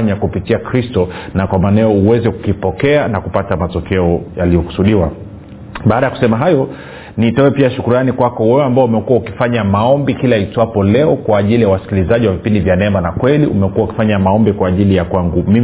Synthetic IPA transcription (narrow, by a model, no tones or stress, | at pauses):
ɲakupitiakɾistɔnakwamanɛɔuwɛzɛku̥kipɔkɛanakupatamatɔkɛɔjalijɔku̥suɗiwa̰ | ɓaːɗajaku̥sɛmaɦajɔ | nitɔwɛpiaʃukuɾanikwakɔwɛɛambaɔumɛkuwaukifaɲamaɔmbikilaitwapɔlɛɔkwaːʄilijawasi̥kilizaʄiwavipindivjanɛmanakwɛliʔumɛkuwauki̥faɲamaɔmbikwaːʄilijakwaŋɡumim